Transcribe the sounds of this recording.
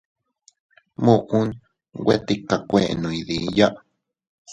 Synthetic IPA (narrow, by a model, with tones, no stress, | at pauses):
mũ˧ʔũ˦n | wʷḛ˦t̪i˧ka˨kʷẽ˦˨ʔnũ˨i˨ði˨ja˦ʔ